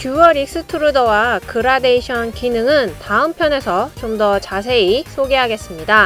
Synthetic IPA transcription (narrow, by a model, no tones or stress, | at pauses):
kjuwʌɾik̚s͈ɯtʰɯɾudʌwakɯɾade̞iɕʰʌnkinɯŋɯntaɯmpʰjʌne̞sʰʌt͡ɕomdʌt͡ɕas̬ʰe̞isʰoɡe̞ɦaɡe̞s͈ɯmɲida